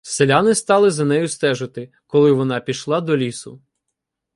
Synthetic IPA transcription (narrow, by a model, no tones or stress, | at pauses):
selʲanɪst̪ɑlˠɪzɐnɛjʊst̪ɛʒɪt̪ɪ | kɔlˠɪʋɔnɑpʲiʃlˠɑd̪ɔlʲisʊ̰